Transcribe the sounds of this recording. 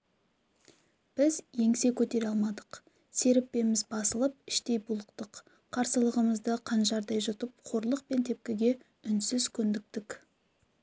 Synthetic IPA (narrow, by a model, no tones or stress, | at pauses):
b̥ɪzje̞ŋse̞kʲʰɵt̪e̞ɾeɑlˠmɑd̪əq | se̞ɾɪpːe̞mɪzbɑsəlˠəp̚ɪʃt̪e̞jbulˠəqt̪əq | qʰːɑɾsəlˠəʁəməzd̪əqʰɑnʒɑɾd̪ɑjʒʊt̪əp̚qʰo̞ɾlˠəq̚pe̞nt̪ʰe̞p̚kʲɪɡʲe̞ | ʏnsɪzkʲʰɵnd̪ɪk̚t̪ɪk